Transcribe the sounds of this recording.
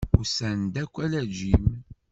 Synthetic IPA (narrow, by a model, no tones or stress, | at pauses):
ʊsænd̪ækʷːælæd͡ʒim